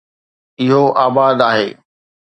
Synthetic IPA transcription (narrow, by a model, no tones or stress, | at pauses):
ɪɦoʔaːbaːd̪aːɦeː